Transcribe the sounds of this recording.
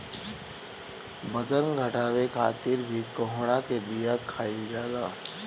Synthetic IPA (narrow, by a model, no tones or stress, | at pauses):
bɐd͡ʒənɡʱɐʈaːwekʰa̰ːt̪ɪɾbʱikoɦɽ̃aked̪ijakʰaːid͡ʒaːlaː